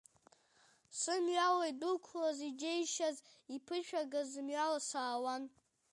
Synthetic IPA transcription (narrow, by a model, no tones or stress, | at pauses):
sɨmɥawajdukʷʰlazid͡ʒejʃazipʰɨʃᶣaɡazɨmɥalasaːwan